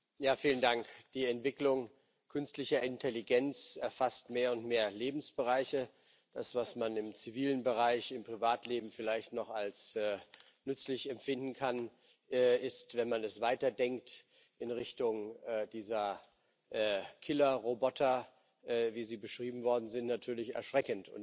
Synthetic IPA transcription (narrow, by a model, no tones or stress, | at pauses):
jaːfiːləndaŋkd̥iːɛntv̥ɪklʊŋ | kʰʏnstlɪçɐʔɪntʰɛliɡɛnt͡sɛɐfastmeːɐʊntmeːɐleːbm̩sb̥əʁaɪçə | d̥asv̥asmanɪmt͡siviːlənbəʁaɪçɪmpʁ̥ivaːtʰleːbm̩fɪlaɪçtnɔχalsɛː | nʏt͡slɪçɛmfɪndn̩kʰan | ɛɪstv̥ɛnmanɛsv̥aɪtɐdɛŋkt | ʔɪnʁɪçtʊŋɛːdiːzɐ | ʔɛːkʰɪlɐʁobɔtʰɐ | ʔɛːviːziːbəʃʁ̥iːbm̩vɔɐdn̩zɪntnatʰyːɐlɪçɛ̰ɐʃʁ̥ɛkəntʰʊ̰n